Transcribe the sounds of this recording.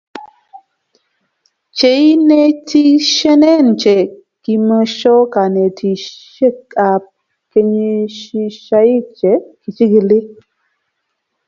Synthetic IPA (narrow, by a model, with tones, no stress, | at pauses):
t͡ʃe˨i˦ne˦tʰi˦ʃɛ˦nɛ˦nt͡ʃɛ˨ | ki˨mə˧ʃɔ˦ka˨ne˨tʰi˨ʃe˦ka˨p̚ | ke˧ɲi˦ʃi˦ʃa˦i˦t͡ʃɛ˨ki˨t͡ʃi˦ɡi˨li˦